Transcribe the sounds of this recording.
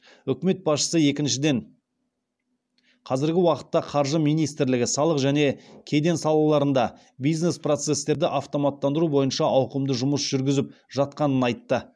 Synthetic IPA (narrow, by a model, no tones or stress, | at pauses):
ʏkʲme̞t̪̚bɑsʃə̥səje̞kʲɪnʃɪd̪e̞ɴ | qʰɑzɪɾɡʲɪwɑqə̥t̪ːɑqʰɑɾʒəmijnijst̪ɪɾlɪɡʲɪsɑlˠəqʒæne̞kʲʰe̞d̪e̞nsɑlˠɑlˠɑɾənd̪ɑ | bijzne̞spro̞t̪se̞st̪e̞ɾd̪ɪʔɑft̪o̞mɑt̪ːɑnd̪əɾubo̞jənʃɑʔɑwqəmd̪əʒʊməsʒ̥ʏɾɡʲɪzɪp̚ʒ̥ɑt̪̚qɑnənɑjt̪ːə